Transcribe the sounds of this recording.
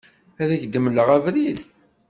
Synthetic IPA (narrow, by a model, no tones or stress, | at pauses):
æðæçd̪əmləʁævɾið